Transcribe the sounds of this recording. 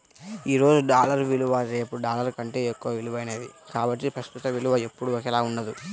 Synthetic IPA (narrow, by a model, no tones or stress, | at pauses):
iːɾo̞ːd͡ʒuɖaːlɐɾʋiluʋɐɾe̞ːpuɖaːlɐɾkɐɳʈe̞ːokːɐʋɐʋiluʋɐjneːd̪ḭkaːbɐʈːipɾɐst̪ut̪ɐʋiluʋɐe̞pːuɽuɔkɛlaːunːɐd̪u